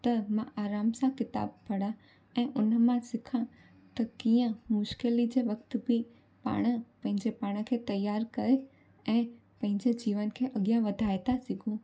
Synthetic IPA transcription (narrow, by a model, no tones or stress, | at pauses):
t̪ɐmãʔaːɾaːmsãkɪt̪a̰ːb̚pɐɽ̤ã | ɛ̃ːʔʊnəmãsɪkʰã | t̪ɐkiːə̃mʊʃkɪlid͡ʑeːʋɐk̚t̪̆bɪ | pa̰ːɽ̃ə̆pɐ̃ɦɪ̃ɲd͡ʑepaːɽ̃ə̆kʰeːt̪ɐjaːɾkɐɾe | ɛ̃ː | pɐ̃ɦɪ̃ɲd͡ʑed͡ʑiːʋənkʰeːʔɐɠjãʋɐd̪ʱaːjt̪asiɡʱũ